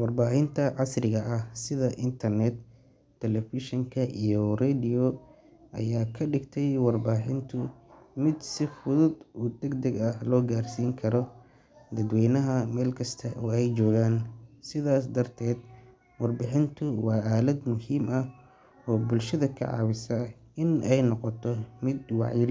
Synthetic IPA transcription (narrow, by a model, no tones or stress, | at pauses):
wɑrbaːħɪnt̪ʰɐʕɑsrɪɣɐʔɐhsɪðɐʔɪnt̪ʰɐrnɛd̪ʰ | ɛlɛfɪʃɪŋkʰɐʔijɔrɛːd̪ɪjɔ | ʔɐ̰jaːkʰɐɖɪɡt̪ʰɛjwɑrbaːħɪnt̪ʰʊmɪd̪sɪfʊðʊd̪uːd̪ɛɡd̪ɐɡɐhlɔːɡaːrsiːŋkʰɐɾɔ | d̪ɐd̪wɛjnɐɦɐmɛːlkʰɐst̪ʰɐʔuːɛjt͡ʃɔːɣaːnsɪðaːs̬d̪ɐrt̪ʰɛːd̪̚ | wɑrbɪħɪnt̪ʰʊwɑːaːlɐd̪mʊhiːmʔɐh | ɔːbʊlʃɐðɐkʰɐ̰ʕɑ̰ːwɪsɐ | ɪnʔɛjnɔqɔt̪ʰɔmɪd̪wɑ̰ʕjɪɾ